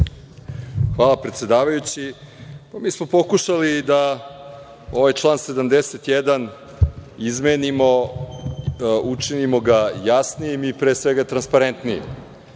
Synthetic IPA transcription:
xʋaːlˠapɾet̪sʲed̪aːʋajut͡ɕipamiːsmo̞po̞kuʃalid̪a | o̞ʋajt͡ʂlˠaːnse̞d̪amd̪eset̪jed̪an | izmeːnimo̞ | ut͡ʂinimo̞ɡajasnijimipɾeːsʋeɡat̪ɾanspaɾent̪nijḭm

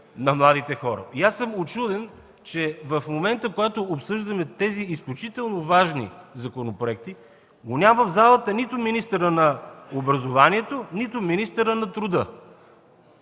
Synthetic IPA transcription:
nɐmlˠad̪it̪ɛxɔɾə̰iasːəmot͡ʃud̪ɛn | t͡ʃɛvɐfmomɛnt̪əkoɡat̪oːpsɤʒd̪ɐmɛt̪ɛziːsklʲut͡ʃit̪ɛlˠnovaʒnḭzɐkonopɾoɛk̚t̪i | ɡonʲamvəvzalˠət̪ənit̪ʊminist̪əɾənɐobɾɐzovaniɛt̪onit̪ʊminist̪əɾənɐt̪ɾʊd̪ɤ

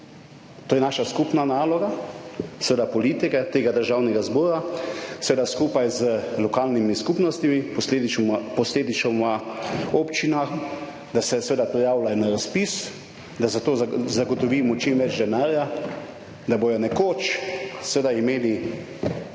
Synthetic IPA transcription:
t̪oːjɛnaːʃaskupnanaːlɔɡasʋeːd̪apɔliːt̪ikɛt̪eːɡad̪əɾʒaːwnɛɡazboːɾasʋeːd̪askuːpajzəlɔkaːlnimiskupnɔst̪imipɔsled̪impɔsleːd̪it͡ʃɔmaɔpt͡ʃinax | d̪asɛsʋeːd̪apɾɛjaːwlaɛnaɾaspis | d̪azat̪oːzaɡɔt̪ɔʋiːmɔt͡ʃimʋɛd͡ʒd̪ɛnaːɾja | d̪abojɔnɛkoːt͡ʃsʋeːd̪aimeːli

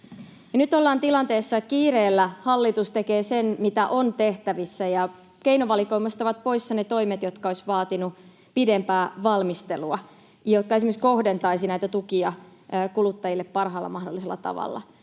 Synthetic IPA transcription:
jɑnyt̪olːɑːnt̪ilɑnt̪eːsːɑekiːɾeːlːæhɑlːit̪ust̪ekeːsenmit̪æʔo̞nt̪eht̪æʋisːæjɑ | ke̞inoʋɑliko̞imɑst̪ɑʋɑt̪̚po̞isːɑnet̪oimet̪jot̪kɑoisʋɑːt̪inu | pidempæːʋɑlmist̪eluɑ | jɑjot̪̚kɑesimeksko̞hdent̪ɑisinæit̪æt̪ukiɑ | kulut̪ːɑjilːeppɑrɦɑːlːɑ̰mɑhdolːˑiselːˑɑ̰t̪ɑ̰ʋɑ̰lːɑ̰

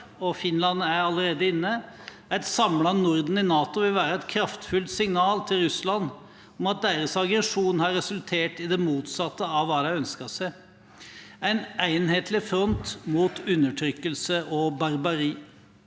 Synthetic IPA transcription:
ɔfɪnlɑnæɾɑləɾeːd̪əɪnːə | æɪt̪sɑmlɑnʊɾd̪n̩ɪnɑːt̪ʊʋɪlʋæːɾəæɪt̪̚kʰɾɑft̪fʉlt̪sɪŋnɑːlt̪ʰɪlɾʉslɑn | ɔmɑt̪̚d̪eːɾəsɑɡɾɛʂuːnhɑɾːɛsʉlt̪ʰeːʈɪd̪ɛmuːt̪sɑt̪ːəɑʋːɑːd̪æɪœnskəsæɪ | æɪnæɪnheːt̪ʰlɪfɾɔnt̪muːt̪ʉnːəʈʰɾʏkːəlsəʔɔbɑɾbɑɾiː

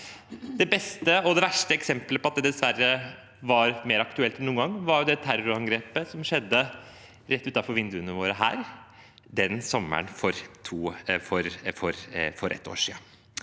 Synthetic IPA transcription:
d̪ɛbɛst̪əɔd̪ɛʋæʂʈəɛksɛmpləpʰɔɑt̪d̪ɛd̪ɛsʋærːə | ʋɑɾmeːɾɑkt̪ʉɛlt̪ɛnuːəŋɡɑŋːʋɑɾjʊd̪ɛt̪ʰæɾʊɑŋɡɾeːpəsɔmʂɛd̪ːə | ɾɛt̪ːʉːt̪ɑfɔɾʋɪnd̪ʉənəʋoːɾəɦæ̰ːɾ | d̪ɛnsɔmːə̰ɳfɔɾt̪ʰuːfɔɾfɔɾfɔɾʔɛ̰t̪ːo̰ːʂḭː

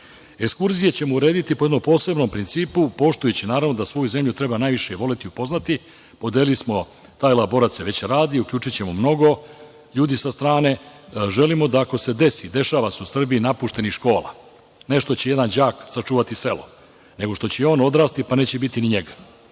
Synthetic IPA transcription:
ekskuɾzijet͡ɕemouɾe̞ːd̪it̪ipo̞jd̪nompo̞ːse̞bno̞mpɾint̪siːpupo̞ʃt̪ujut͡ɕinaːɾavno̞d̪asʋo̞juze̞mʎut̪ɾe̞banaːjʋiʃeʋo̞let̪iupo̞znat̪i | po̞d̪eːlismo̞ | t̪aːjlabo̞ɾat̪seʋe̞t͡ɕɾaːd̪iːukʎuːt͡ʂit͡ɕe̞momno̞ɡo̞ | ʎuːd̪isast̪ɾaːne̞ʒe̞limo̞d̪aːko̞se̞d̪e̞sid̪e̞ʃaːʋaseusr̩biːnapuːʃt̪e̞niʃko̞ːlˠa̰ | ne̞ʃt̪o̞t͡ɕeje̞d̪and͡ʑaːksat͡ʂuːʋat̪ise̞lo̞̰ | ne̞ɡo̞ʃt̪o̞t͡ɕeo̞ːno̞d̪ɾaːst̪ipane̞ːt͡ɕebit̪iniɲeɡḁ

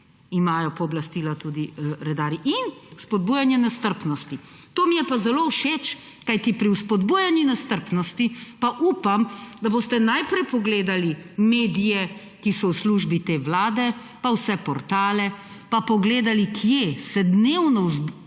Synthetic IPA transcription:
imaːjɔpɔːblast̪iːlat̪ud̪iɾɛd̪aːɾiʔinuspɔd̪̚buːjanjɛnast̪əɾpnɔst̪i | t̪oːmijɛpazɛlowʃet͡ʃ | kajt̪ipɾiwspɔd̪buːjanjinast̪əɾpnɔst̪ipaʔuːpamd̪aboːst̪ɛnajpɾɛjpɔɡleːd̪alimeːd̪ijɛ | kisɔwsluʒbit̪eːʋlaːd̪ɛ | pawsɛpɔɾt̪aːlɛ | papɔɡleːd̪alikʰjesɛd̪newnɔwz

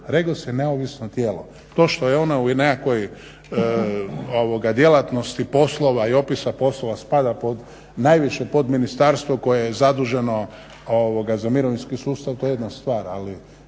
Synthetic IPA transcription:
ɾeɡosjene̞oʋisnot̪jeːlo | t̪o̞ːʃt̪o̞jeo̞naunekakʋo̞j | oʋoɡad̪je̞lat̪no̞st̪ipo̞slˠo̞ʋaio̞pisapo̞slˠoʋaspad̪apo̞d̪ | najʋiʃepo̞d̪minist̪aɾst̪ʋoko̞jejezad̪uʒe̞no̞ | oʋoɡazamiɾoʋinskisuːst̪aʋt̪o̞jee̞d̪nast̪ʋaːɾali

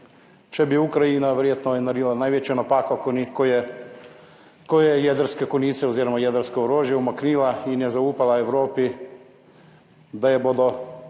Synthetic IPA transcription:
t͡ʃebiukɾainaʋɾijet̪nojɛnaɾilˠanajʋet͡ʃanapaːkaknikoje | kojejed̪ɾskekonit̪sɛuziɾomajed̪eɾskeoɾoːʒjeumaknilainjezauːpalaeʋɾoːpi | d̪ajebod̪o

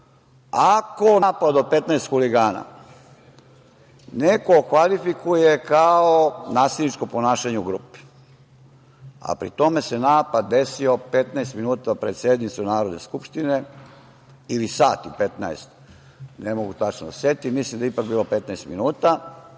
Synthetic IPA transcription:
akonːpad̪opet̪naest̪xuliɡaːna̰ | nekokʋalifikujekaonaːselnit͡ʃkomponaːʃaɲeuɡɾuːpe̥ | a̰pɾḭt̪ome̞senaːpad̪̚ːe̞sio̞pet̪naest̪minuːt̪apɾed̪sjed̪nit̪sunaːɾo̞d̪ne̞̰skupʃt̪ine | ilisaːt̪iupet̪naḛst̪ | nemo̞ɡut̪at͡ʃnod̪aset̪imislimd̪eipak̚biːlope̞t̪naest̪minuːt̪a

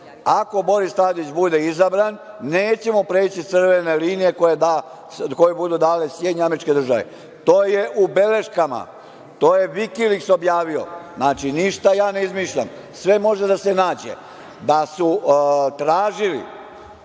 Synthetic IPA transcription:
ako̞bo̞ɾist̪aːd̪it͡ɕbud̪e̞izabɾanː | e̞ːt͡ɕe̞mo̞pɾeːt͡ɕit̪sr̩ʋene̞liːnije̞ko̞jed̪a | ko̞jebud̪ud̪aːlesjed̪ɲeameɾit͡ʃke̞d̪ɾr̩ʒaʋḛ | t̪o̞ːje̞ʔube̞le̞ʃkama̰ | t̪o̞ːje̞ʋikilikso̞bjaːʋio̞̰znaːt͡ʃiniʃt̪ajaːne̞izmiʃʎa̰m | sʋe̞mo̞ʒed̪ase̞naːd͡ʑḛ | d̪asut̪ɾaːʒilḭ

